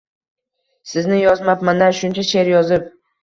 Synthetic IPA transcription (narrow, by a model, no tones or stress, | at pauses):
sɪznɪjɒzmapmand̪aɾʃʊnt͡ʃʰaʃe̞ɾjɒzɪp̚